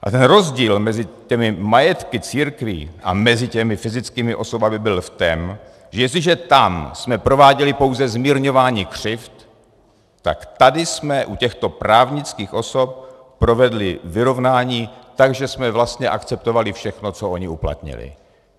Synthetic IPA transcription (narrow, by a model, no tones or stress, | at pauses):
ʔa̰t̪ɛnɾo̞zɟiːlmɛzɪcɛmɪmajɛt̪kɪt͡siːɾkvḭːʔa̰mɛzɪcɛmɪfɪzɪt͡skiːmɪʔo̞so̞bamɪbɪlft̪ɛm | ʒɛjɛst̪lɪʒɛt̪amsmɛpɾo̞vaːɟɛlɪpo̞wzɛzmiːɾɲo̞vaːɲiːkr̝̥ɪft̪ː | a̰kt̪adɪsmɛʔucɛxt̪o̞pɾaːvɲɪt͡skiːxʔo̞sop̚ | pɾo̞vɛdlɪvɪɾo̞vnaːɲiːt̪aɡʒɛsmɛvlast̪ɲɛʔakt͡sɛp̚t̪o̞valɪfʃɛxno̞t͡soo̞ɲɪupla̰t̪ɲɪ̰lɪ̰